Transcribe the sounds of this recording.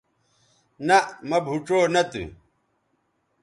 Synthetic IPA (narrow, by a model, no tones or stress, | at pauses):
nɐmɐbʱuʈ͡ʂoːnɐt̪ṵ